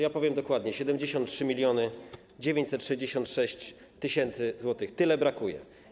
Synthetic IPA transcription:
japɔvʲjɛmd̪ɔkwad̪ɲɛɕɛd̪ɛmd͡ʑeɕɔ̃nt̪tʂɘmʲilʲjɔnɘ | d͡ʑevʲjeɲt͡ɕsɛt̪tʂɛʑd͡ʑeɕɔnt̪ʂɛɕt͡ɕ | t̪ɘɕɛnt̪sɘzwɔt̪ɘxt̪ɘlɛbɾakujɛ̰

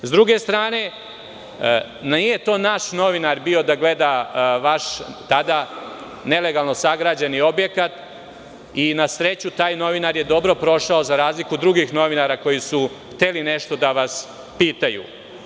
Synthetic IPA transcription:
zd̪ɾuɡe̞st̪ɾaːne̞ | nijet̪o̞ːnaʃno̞ʋinaɾbio̞d̪aɡle̞d̪aʋaʃt̪ad̪a | ne̞le̞ɡalˠno̞saɡɾad͡ʑanio̞bjekat̪ | inasɾe̞t͡ɕut̪aːjno̞ʋinaɾje̞d̪o̞bɾo̞pɾo̞ʃao̞zaɾaːzlikud̪ɾuɡixno̞ʋinaɾako̞jisu | xt̪elineʃt̪o̞d̪aʋas | piːt̪ajṵ

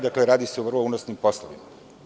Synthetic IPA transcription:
d̪akleɾaːd̪iseuʋr̩lˠounosnimpo̞slˠoʋḭma

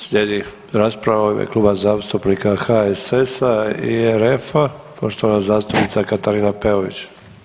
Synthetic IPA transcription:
sʎʲeːd̪i | ɾaːspɾaʋamḛklˠuːbazaːst̪upnikaxaesesaḭeɾefapoʃt̪oʋanazaːst̪upnit̪sakat̪aɾiːnapeoʋḭt͡ɕ

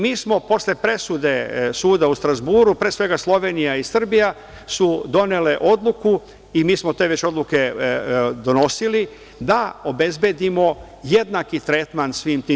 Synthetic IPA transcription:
miːsmo̞po̞sle̞pɾe̞sud̪e̞suːd̪aust̪ɾazbuːɾupɾe̞ːsʋe̞ɡaslˠo̞ʋe̞nijaisr̩bija | sud̪o̞ne̞le̞ʔo̞d̪lˠuku | imiːsmo̞t̪e̞ːʋe̞t͡ɕo̞d̪lˠuke̞ | d̪o̞no̞sili | d̪ao̞be̞zbe̞d̪imo̞ | je̞d̪nakit̪ɾe̞t̪mansʋiːmt̪i

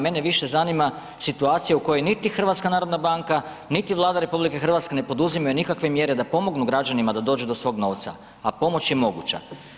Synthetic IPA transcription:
me̞neʋiʃe̞zanima | sit̪uaːt̪sijauko̞jojnit̪ixr̩ʋat̪skanaːɾo̞d̪nabaŋka | nit̪iʋlˠaːd̪aɾe̞publike̞xr̩ʋat̪ske̞ne̞po̞d̪uzimajunikakʋe̞mje̞ɾe̞d̪apo̞mo̞ɡnuɡɾad͡ʑanimad̪ad̪o̞ːd͡ʒud̪o̞sʋo̞ːɡno̞ːʋt̪sa̰ | apo̞mo̞t͡ɕje̞mo̞ɡṵt͡ɕa̰

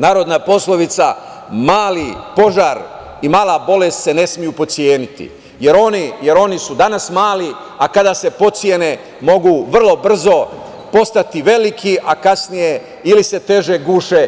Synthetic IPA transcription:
naːɾo̞d̪naːpo̞sloʋit̪sa | maːlipo̞ʒaːɾ | imaːlˠabo̞le̞st̪se̞ne̞smijupo̞t̪sjeːnit̪ḭ | je̞ɾo̞nije̞ɾo̞nisud̪anasmaːli | akad̪ase̞po̞t̪sjene̞ | mo̞ɡuʋr̩lˠo̞br̩zo̞ | po̞st̪at̪iʋe̞likʰiʔakasnije̞ | ilise̞t̪e̞ʒe̞ɡuːʃe

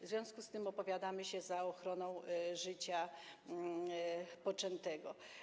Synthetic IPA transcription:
vzvʲjɔ̃w̃skust̪ɘmɔpɔvʲjad̪amɘɕɛzaɔxɾɔnɔ̃w̃ʐɘt͡ɕa | pɔt͡ʂɛnt̪ɛɡɔ

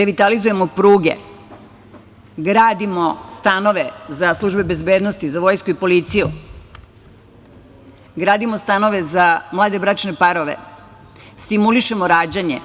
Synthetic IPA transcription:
ɾeʋit̪alizuje̞mopɾuːɡḛ | ɡɾaːd̪imo̞st̪ano̞ʋe̞zaslˠuʒbe̞be̞zbeːd̪nost̪izaʋo̞jskuipo̞lit̪siju | ɡɾaːd̪imo̞st̪ano̞ʋe̞zamlˠaːd̪e̞bɾaːt͡ʃnepaɾoʋe̞̰ | st̪imuliʃe̞moɾaːd͡ʑaɲḛ

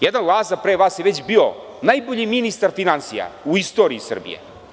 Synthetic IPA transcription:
jed̪anlˠaːzapɾeːʋaːsjeʋet͡ɕbio | najboʎiminist̪aɾfinansija̰uist̪oɾiːsr̩bḭjḛ

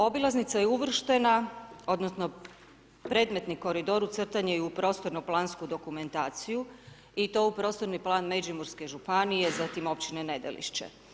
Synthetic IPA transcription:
o̞bilˠaznit̪sajeuʋr̩ʃt̪e̞nao̞d̪nosno̞ | pɾe̞ːd̪me̞t̪niko̞ɾid̪o̞ɾut̪sr̩t̪aɲeupɾo̞ːst̪oɾnoplˠaːnskud̪o̞kume̞nt̪aːt̪siju | it̪o̞ːupɾo̞st̪o̞ɾniplˠaːnmed͡ʒimuɾske̞ʒupanije̞zat̪imo̞pt͡ɕinene̞d̪ḛlḭʃt͡ɕḛ

